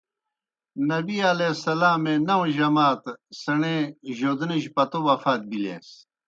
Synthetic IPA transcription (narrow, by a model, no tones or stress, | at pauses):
nɐbiɐlesɐlaːmẽnɐwʑɐmaːt̪sɐɳẽʑoːd̪niʑpɐt̪obɐfaːt̪̚bilḛːs